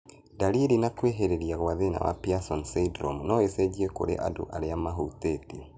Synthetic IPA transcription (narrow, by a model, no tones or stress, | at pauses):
daɾiɾinakweɦeɾeɾiaɣwaðena̰wa̰piasɔnseidɾɔmunɔesɛd͡ʒiɛko̰ɾḛʔa̰do̰ʔaɾeamaɦuteti